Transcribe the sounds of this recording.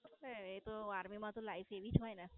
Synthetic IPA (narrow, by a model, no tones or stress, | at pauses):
eet̪oaɾmimãt̪olaifeʋid͡ʒɦɔjna